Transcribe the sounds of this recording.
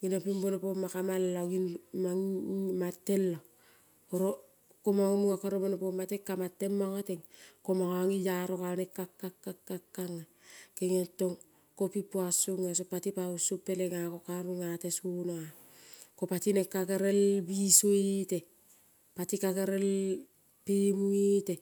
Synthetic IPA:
ɡinapimbonopomakamalːaɡinmaŋmatːelːo | oɾo | komaŋomuŋakoɾobonopomatekːamatːemːaŋoteŋkomaŋoaŋijaɾokanekːakːakːakːakːaŋːa | keŋetːoŋ | kopipːuasuŋes̬opatipausupːeleŋakokaɾuŋatesunoa | kopatinekːakeɾelbisoite | patikakeɾel | pimuite

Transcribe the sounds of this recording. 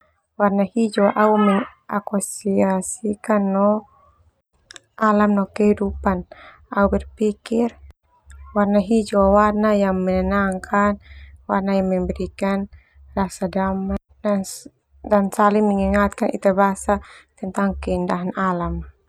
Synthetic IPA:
warnahid͡ʒuaʔaumɛŋʔakusiasikanːɔ | alamnɔkɛhidupan | aubɛrpikir | warnaɦid͡ʒuawarnajaŋmɛnɛnaŋkʰanwarnajaŋmɛmbɛɾikan | rasadama | da | dansaliŋmɛŋiŋat̪̚kanʔḭt̪abasat̪ɛnt̪aŋkɛindaɦanalam

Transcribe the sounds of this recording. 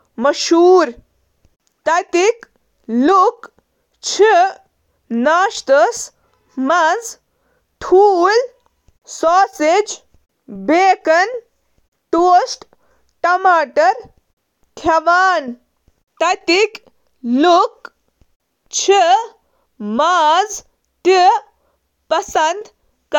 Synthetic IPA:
mɐʃuːɾ | t̪ɐt̪ik | luk | t͡ʃʰi | naːʃt̪ɐs | mɐd͡z | ʈ̪ʰuːl | sɔːsed͡ʒ | beːkɐn | t̪oːsʈ | ʈɐmaːʈɐɾ | kʰjɐʋaːn | t̪ɐt̪ik | luk | t͡ʃʰi | maz | t̪i | pɐsɐnd̪ | k

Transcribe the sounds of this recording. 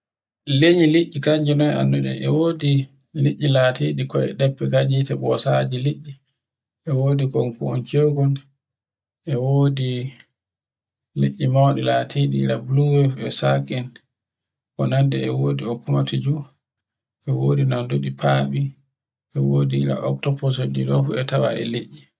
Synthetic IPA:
leɲiliʔːikaɲd͡ʒɛnɔja̰ndɔɗɛ̰ɛwoːdi | liʔːilaːtiɗikɔɛ̰ɗɛpːɛkaɲd͡ʒitɛɓɔsad͡ʒiliʔːi | ʔɛwoːdikɔnkuɔnt͡ʃeɡɔn | ʔɛwoːdi | liʔːimawɗɛlatʰiɗiḭɾabluwɛfɛsaɡɛn | kɔ̰nandɛɛwoːdiɔkumatid͡ʒu | ʔɛwoːdinandoɗipʰaɓi | ʔɛwoːdiiɾa̰ʔɔk̚tɔpɔs̬odidɔfuɛtawa̰ʔɛ̰liʔːi

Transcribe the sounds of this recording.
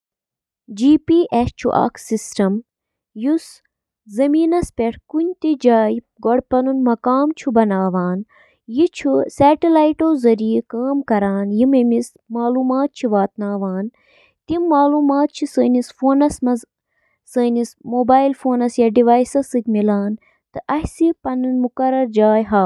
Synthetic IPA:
d͡ʒiːpiːʔest͡ʃʰṵʔa̰ksisʈɐm | jus | zɐmiːnɐspʲeʈʰkunʲt̪id͡ʒaːj | ɡoɽpɐnunmɐkaːmt͡ʃʰubɐnaːʋaːn | jit͡ʃʰusɛːʈilaːjʈoːzɐɾiikaːmkɐɾaːnjimɐmis | maːluːmaːt̪̚t͡ʃʰiʋaːt̪naːʋaːn | t̪imːaːluːmaːt̪̚t͡ʃʰisəːnisfoːnɐsmɐ | səːnismoːbaːilfoːnɐsjaɖiʋaːjsɐsɨkʲmilaːn | t̪ɨʔɐhsipɐnɨnmukɐɾɐɾd͡ʒaːjɦa

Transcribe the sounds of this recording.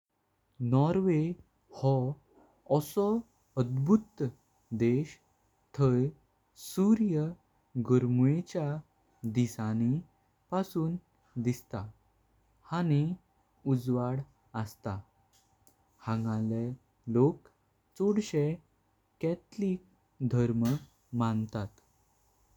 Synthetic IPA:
nɔɾʋe | hɔ | ɔsɔ | əd̪bʱut̪ | d̪eɕ | t̪ʰəj | suɾjə | ɡəɾmuet͡ɕja | d̪isani | pasuːn | d̪ist̪a | hañi | ud͡zʋaɽ | əst̪a | hãŋɡãle | lok | t͡soɽɕe | kɛt̪liːk̚ | d̪ʱəɾmə | mant̪at̪

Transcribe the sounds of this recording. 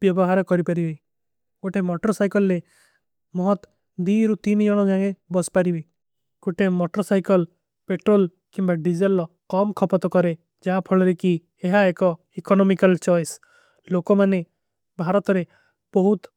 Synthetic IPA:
bjɔbɔɦaɾɔkɔɾipaɾiɦɔi | koʈemɔʈɔɾɔsajkɔlɾe | mɔɦɔt̪ | d̪iɾut̪inid͡ʒɔɽ̃ɔɡaŋebɔspaɾibi | koʈemɔʈɾɔsajkɔl | peʈɾol | kimbaɖid͡ʒelɔ | kɔmkʰɔpɔt̪ɔkɔɾe | d͡ʒaɦapʰɔɭɔɾiki | eɦaekɔ | ikɔnɔmikalt͡ʃɔjs | lokɔmane | bʱaɾɔt̪ɔɾe | b̥ɔɦut̪

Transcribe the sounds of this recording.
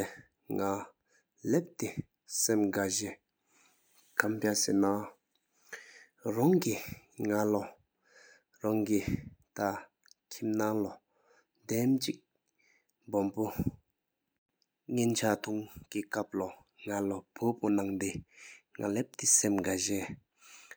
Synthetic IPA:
ŋa | lep̚t̪e | semɡaʑe | kʰampasena | raŋkiŋalɔ | ɹaŋkit̪a | kʰimnaŋlɔ | nd̪emt͡ɕik̚ | bɔmpo | ŋent͡ɕʰat̪ʰuŋkikap̚lɔ | ŋalopʰoponaŋd̪eŋa̰lep̚t̪isemɡaʑe

